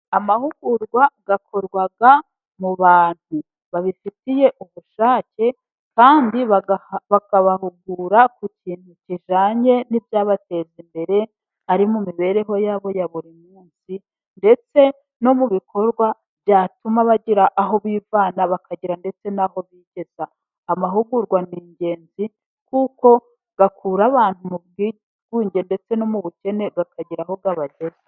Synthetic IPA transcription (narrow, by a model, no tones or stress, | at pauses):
amahuɡuɾɡwaɡ̥akʰo̞ɾɡwaɡa | muβaːn̥hu | βaβifitije̞ʔuβuʃaːce̞ | kaːndiβaβakaβaɦuɡuɾakuciːn̥huciʒaːɲe̞nivjaːβate̞zimbe̞ɾe̞ | aɾimumiβe̞ɾe̞ɦo̞jaːβo̞jaβuɾimuːnsi | nde̞t͡se̞ | no̞muβikʰo̞ɾɡwa | v̥jaːtumaβaɟiɾaʔaɦo̞βiːvaːnaβakʰaɟiɾande̞t͡se̞naɦo̞βiːɟe̞z̥aː | maɦuɡuɾɡwaniːɲɟe̞ːnzi | kuːko̞ | ɡ̥akʰuːɾaβaːn̥humub̚ɡi | ɡwiːɲɟende̞t͡se̞no̞muβuce̞ne̞ɡakaɟiɾaɦo̞ɡaβaɟe̞za